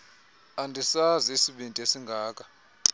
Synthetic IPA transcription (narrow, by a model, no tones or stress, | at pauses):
andʱisaziisiɓindʱʼesiŋɡʱaːkʼḁ